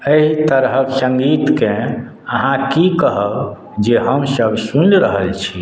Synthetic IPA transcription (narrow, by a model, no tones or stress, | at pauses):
əɦit̪əɾɦəsə̃ŋɡit̪kẽ | əɦãkikəɦəb | d͡ʒeɦəmsəbsunɾəɦəlt͡ʃʰi